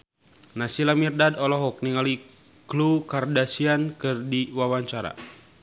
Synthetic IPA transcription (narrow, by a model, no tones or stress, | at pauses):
nasilamirdadɔlɔɦɔk̚niŋali | klukardasiankɨrdiwawaɲt͡ʃaɾa̰